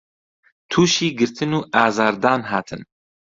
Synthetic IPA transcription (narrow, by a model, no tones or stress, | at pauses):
t̪ʰuːʃiːɡɨɾt̪ʰɨnuːʔɑːzɑːɾd̪ɑːnɦɑːt̪ʰɨ̰n